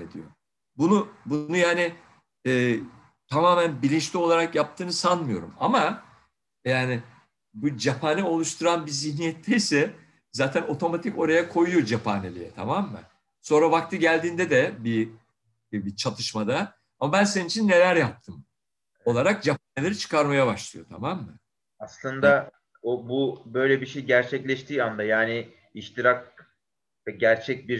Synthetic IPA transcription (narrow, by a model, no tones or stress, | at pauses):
ḛd̪ḭjo̰ | bunubunujaːni | ɛː | t̪ʰamaːmænbilʲint͡ʃlʲio̞lˠaɾakjap̚t̪ʰɯːnɯsanmɯjo̞̰ɾṵma̰ma | jaːni | bud͡ʒapʰaːnɛo̞lˠuʃt̪ʰuɾanbizihnijɛt̪ʰːɛjisɛ | zaːt̪ʰæno̞t̪ʰo̞mat̪ʰiko̞ɾajakʰo̞jujo̞d͡ʒapʰa̰nelʲḭjɛt̪ʰa̰maːmːæ̰n | so̞nɾavak̚t̪ʰɯɟælʲd̪iːnd̪ɛd̪ɛbi | bit͡ʃʰat̪ʰɯʃmad̪a | amabænseninit͡ʃʰinːe̞lʲæɾjap̚t̪ʰɯm | o̞lˠaɾak̚d͡ʒapʰanelʲeɾit͡ʃʰɯ̥kaɾmajabaʃlˠɯjo̞̰t̪ʰa̰mamːɯ̰ | aslˠɯnd̪a | obubø̞jlʲɛbiʃejɟæɾt͡ʃʰɛclʲɛʃt̪ʰiːand̪ajaːnɪ | iʃt̪ʰiɾak̚ | ɛɟæɾt͡ʃʰɛc̚biɾ